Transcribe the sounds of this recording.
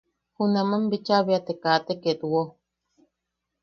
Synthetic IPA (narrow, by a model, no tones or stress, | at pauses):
hunamambit͡ʃaβiat̪ekat̪eket̪uwo